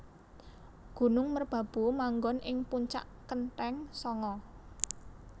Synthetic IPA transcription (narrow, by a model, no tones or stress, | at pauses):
ɡ̥ṳnʊŋmərb̥ä̤b̥ṳmaŋɡɔnʔɪŋpuɲt͡ʃa̰ʔkənt̪ɛŋsɔŋɔ